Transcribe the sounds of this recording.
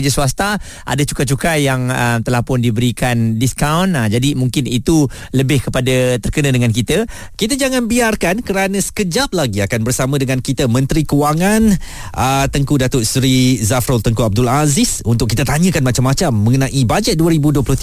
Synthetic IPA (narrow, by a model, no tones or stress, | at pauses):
d͡ʒasuast̪a | ʔa̰dat͡ʃu̥kat͡ʃukajaŋət̪əlahpʊndibəɾikandiskawnd͡ʒadimuŋkɪnit̪u | ləbɪhkəpadat̪ərkənə̃dəŋãnkit̪ə | kit̪̬ad͡ʒaŋanbiarkankəɾanãsə̥kəd͡ʒap̚laɡiakanbərsamə̃dəŋãnkit̪əmə̃nt̪ɾikəwaŋan | ʔət̪əŋkudat̪ʊʔsɾizafɾolt̪əŋkuab̚dʊlazɪsunt̪ʊkːit̪at̪aɲə̃kanmat͡ʃamːat͡ʃamːə̃ŋənãʔibad͡ʒɛt̪̚duəɾibuduəplʊht̪